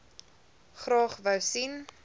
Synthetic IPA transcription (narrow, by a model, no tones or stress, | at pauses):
χrɑːχvəwsin